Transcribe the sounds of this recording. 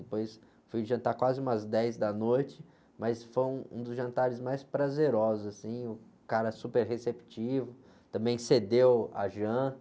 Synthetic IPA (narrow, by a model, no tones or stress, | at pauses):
ɪpojs | fujʒɐ̃nt̪aɾkwazɪũmɐzd̪ɛjzd̪ɐnojt͡ʃɪ | mɐsfojũṵ̃d̪ʊzʒɐ̃nt̪aɾɪzmajspɾazeɾɔzʊzasĩʊ | kaɾɐsupeɾhesepi̥t͡ʃivʊ | t̪ɐ̃mbẽj̃sed̪ewa̰ʒɐ̃t̪